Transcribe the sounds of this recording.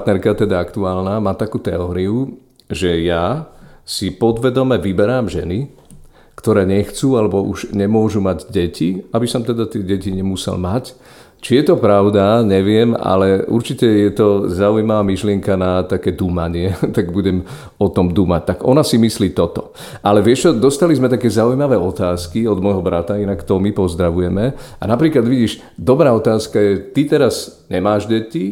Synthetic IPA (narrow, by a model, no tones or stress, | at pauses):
t̪nɛɾkat̪ɛd̪aakt̪uaːlnamaːt̪akuːt̪ɛɔːɾiu | ʒɛjasipɔd̪ʋɛd̪ɔmɛʋibɛɾaːmʒɛ̰ni | kt̪ɔɾɛːɲɛxt͡suːalɛbɔʔuʒɲɛmʊɔʒumaɟɟɛciabisɔmt̪ɛd̪at̪ɪɛɟɛciɲɛmusɛ̰lmac | t͡ʃijɛt̪ɔpɾaʊd̪aɲɛʋɪɛma̰lɛṵɾt͡ʃicɛjɛt̪ɔzaujmaʋaːmiʃlɪɛŋkanat̪akɛːd̪umaɲɪɛt̪aɡbuɟɛm | ɔt̪ɔmd̪umac̚t̪aɡɔnasimisliːt̪ɔt̪ɔ | ʔalɛʋɪɛʃt͡ʃɔd̪ɔst̪alizmɛt̪akɛːzaujmaʋɛːɔt̪aːskiɔd̪mɔjɦɔbɾat̪ainakt̪ɔmipɔzd̪ɾaʋujɛmɛa̰napɾiːklad̪ʋiɟiːʃ | d̪ɔbɾaːɔt̪aːskajɛt̪it̪ɛɾazɲɛmaːʒɟɛci